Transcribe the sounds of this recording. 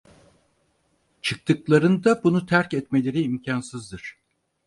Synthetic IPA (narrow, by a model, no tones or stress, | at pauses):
t͡ʃʰɯk̚t̪ʰɯklˠaɾɯnd̪abunut̪ʰæɾcɛt̪me̞lʲe̞ɾiːmcʰansɯzd̪ɯɾ̥